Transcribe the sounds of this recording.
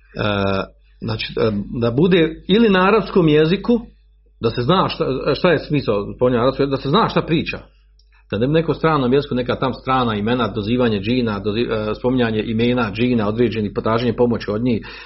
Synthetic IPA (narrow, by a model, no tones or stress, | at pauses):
ə | znaːt͡ʃi̥ːd̪abud̪eːilinaaɾabsko̞ːmjeziku | d̪ase̞znaːʃt̪aʃt̪aje̞smiːsaspomiɲaaɾabskod̪ase̞znaːʃt̪apɾiːt͡ʃa̰ | d̪̥anebnekost̪ɾaːnoːmjezikunekat̪amst̪ɾaːnaime̞nad̪oziːʋaːɲed͡ʒiːnad̪oziːspo̞miɲaːɲeʔime̞ːnad͡ʒiːnao̞d̪ɾeːd͡ʑe̞niːhpot̪ɾaːʒeɲepo̞mo̞t͡ɕio̞d̪ɲiːh